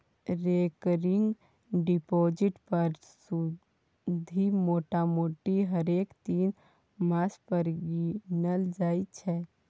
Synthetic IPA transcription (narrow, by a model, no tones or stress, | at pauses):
ɾekɾɪŋɡ | ɖipoːd͡ʒɪʈpəɾ | su | d̪ʱimoːʈamoːʈiɦəɾeːkt̪iːn | maːspəɾɡinəld͡ʒaːit͡ʃʰɛ